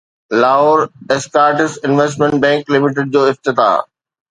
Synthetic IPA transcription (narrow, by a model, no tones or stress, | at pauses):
laːoɾeskaːɾʈɪsɪnʋesʈmɛ̃ɳʈ̚bɛ̃ːŋklɪmɪʈ̬ɪɖ̚d͡ʑoːɪft̪ɪt̪a̰ː